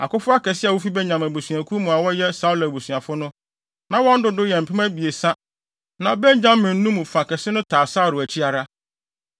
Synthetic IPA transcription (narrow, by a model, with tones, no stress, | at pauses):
a̰˨kʊ˦fʊ˦a˦kɛ˨sɪ˦a˨wʊ˦fi˦bɛ˦ɲã˨mæ˨bo˨sɥ̃æ˨kʰu˦mũ˨a˨wɔ˦jɛ˦sa˦u˦la˨bo˨su˨a˨fʊ˦nʊ̃˦ | nã˨wɔ̃˦n̩˦dʊ˦dʊ˦jɛ˨m̩˨pʰɪ˦mæ̃˦bi˨e˨sã˦ | nã˨bɛ˦ɲ˦d͡ʑã˦mːɪ̃˨n̩˦nũ˦mũ˨fa˨kɛ˨sɪ˦nʊ̃˦tʰaː˨sa˦˨ɾʊ˨æ˨t͡ɕʰi˦a˨ɾa˦